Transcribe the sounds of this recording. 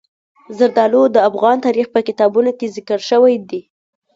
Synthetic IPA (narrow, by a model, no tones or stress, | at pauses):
zəɾd̪ɑlod̪əafɣɑnt̪ɑɾixpəkɪt̪ɑbunokezɪkəɽʃəwajd̪i